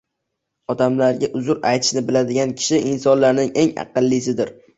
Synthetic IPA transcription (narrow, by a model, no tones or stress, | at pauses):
ɒd̪amlaɾɡʲaʔʊzʊɾajt̪ʰɪ̥ʃnɪbɪlad̪ɪɡʲankʲʰɪ̥ʃɪʔɪnsɒnlaɾnɪŋe̞ŋɑ̰qɨlˠːisɪd̪ɪɾ